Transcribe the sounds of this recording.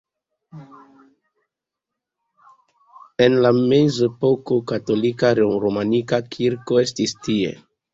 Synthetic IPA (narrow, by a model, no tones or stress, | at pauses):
e̞nlame̞zepo̞ko̞kato̞likaɾɾomanikakʰiɾko̞e̞stistie̞̰